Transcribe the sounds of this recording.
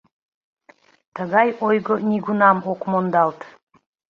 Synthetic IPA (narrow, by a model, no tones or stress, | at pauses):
t̪ʰəɡɑjojɡənʲiɡunɑmoqmond̪ɑlˠt̪